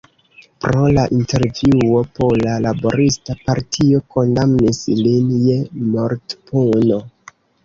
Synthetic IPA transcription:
pɾo̞laʔinte̞ɾvuo̞po̞lalabo̞̰ɾistapaɾtʰioko̞ndamnislinje̞moɾtpuno̞

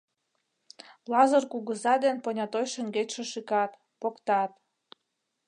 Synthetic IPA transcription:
lɑzɤrkuɣəzɑd̪enponʲɑt̪ojʃə̆ŋɡet͡ɕʲʃĕʃikɑt̪ | pokt̪ɑt̪

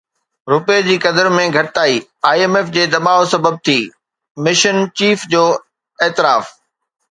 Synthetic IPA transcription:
ɾʊped͡ʑiːkɐd̪əɾmẽɡʱɐʈɪt̪aːiːaːieːmeːfd͡ʑeːd̪ɐɓaːʋosɐbəb̚t̪ʰiː | mɪʃənt͡ɕiːfd͡ʑoː | eːt̪ɪɾaːf

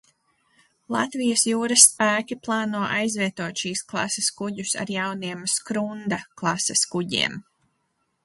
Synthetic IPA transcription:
lˠa̰t̪vijəsjuːɾɐsːpæːkʲiplˠɑːnuɔʔajzvʲiɛt̪uɔt̪ʃiːsklˠɑ̰seskuɟusa̰ɾjawniɛmskɾund̪aklˠɑsɛskuɟḭɛm

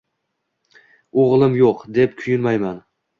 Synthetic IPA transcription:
oʁlˠɪmjoqd̪e̞p̚kʲʰʊjʊnmajman

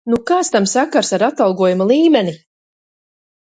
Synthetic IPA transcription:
nukaːt̪st̪amsakaɾsaɾat̪alˠɡuɔjumalˠiːmɛni

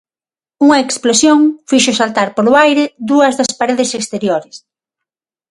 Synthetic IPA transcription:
uŋɐeksplosjoŋfiʃʊsalt̪aɾpolʊajɾɪd̪uɐzðɐspaɾeðɪsekst̪eɾjoɾɪs

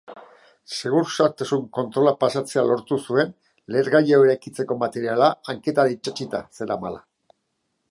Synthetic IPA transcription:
se̞ɣ̞uɾsaɾt̪asuŋko̞nt̪ɾo̞lapasat͡se̞alo̞ɾt̪usue̞n | le̞ɾɣajaoeɾajkit͡se̞ko̞mat̪e̞ɾialaaŋke̞t̪aɾait͡ʃat͡ʃit̪a̰se̞ɾamala̰

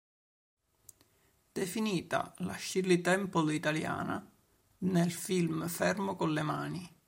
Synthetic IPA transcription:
d̪̥efiniːt̪a̰la̰ʃːilːit̪ɛmpolit̪alja̰ːna̰ | nelfilmfɛrmokolːemaːni

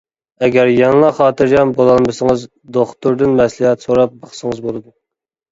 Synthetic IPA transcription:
ɛɡʲæɾjɑŋlˠɑχɑːt̪ɨɾjɑmbolˠɑnmɨsəŋɨz | d̪oχt̪uɾd̪ɨnmɛslˠɨhɛt̪soɾɑp̚bɑχsəŋəzbolˠɨd̪u

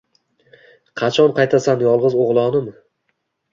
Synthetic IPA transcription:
qʰɑt͡ʃʰɒnqʰɑjt̪ʰasanjɒlˠʁɨzoʁlˠɒnɪm

